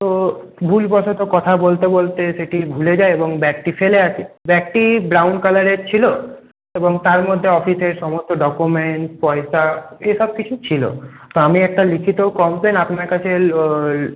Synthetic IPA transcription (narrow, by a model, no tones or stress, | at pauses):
t̪obʱulbɔʃʰot̪okɔt̪ʰabolt̪ebolt̪eʃeʈibʱuled͡ʑaeeboŋbɛk̚ʈifeleat͡ɕʰebɛk̚ʈibɾawnkalaɾeɾt͡ɕʰilo | eboŋt̪aɾmod̪ʱːeɔfiseɾʃɔmost̪oɖɔkumeɳʈpɔeʃaeʃɔb̚kit͡ɕʰut͡ɕʰilo̰ | t̪oamiɛk̚ʈalikʰit̪okɔmpenapnaɾkat͡ɕʰeɾ